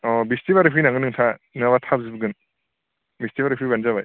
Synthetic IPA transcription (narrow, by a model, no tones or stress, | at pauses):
ɔbistibaɾɯpʰinaŋɡɯnːɯŋtʰanɯβatʰabzibɡɯn | bistibaɾipʰibanzaβaj